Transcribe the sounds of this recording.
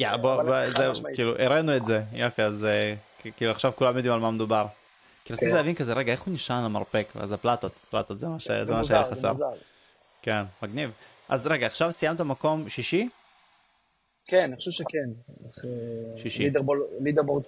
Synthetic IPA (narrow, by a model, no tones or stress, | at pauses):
jaboozekiːluʔeɾenuetzejafiaze | kiːluaχʃavkulamjo̞d̪imalmamed̪ubaʁ | kiɾatt͡silavinkazeɾeɡae̞χuniʃanlama̰ʁpeka̰zaplat̪ot̪pla̰t̪ot̪zemaʃḛzemaʃeaajaχasḛʁl | kenmaɡniv | ʔa̰zʁe̞ɡaːχʃavsijamt̪amako̞mʃiʃi | keniχo̥ʃuvʃekeneχeʃiʃiidʁbolid̪eʁbot